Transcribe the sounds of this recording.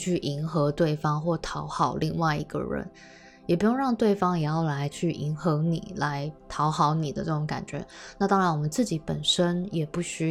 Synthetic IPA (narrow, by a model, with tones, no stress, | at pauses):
t͡ɕʰy˥˩ʔi˧˥nxɤ˧˥t̪we˥˩ɪfɑ˥ŋxwɔ˥˩t̪ʰɑ˧˥ʊxɑ˨˩ʊli˥˧ŋwa˥˧ɪi˧˥ɡə̰˧ɻə̰˧˦n | jɛ˨˩p̬u˧˥jo˥˧ŋɻɑ˥˧ŋt̪we˥˩ɪfɑ˥ŋjɛ˨˩jɑ˥˩ʊla˧˥ɪt͡ɕʰy˥˩ʔi˧˥nxɤ˧˥nḭ˨˩la˧˦˥ɪt̪ʰɑ˧˥ʊxɑ˧˥ʊni˨˩d̪ə̰˦ʈ͡ʂɤ˥˩ʈ͡ʂo˧˦ŋka̰˨˩nt͡ɕɥɛ̰˧˥˦na˥˩t̪ɑ˥ŋɻa˧˦nwɔ˨˩mə˨˦nt͡sɹ̩˥˩t͡ɕi˧˥pə˨˩nʂə˥njɛ˨˩pu˥˩ɕy˥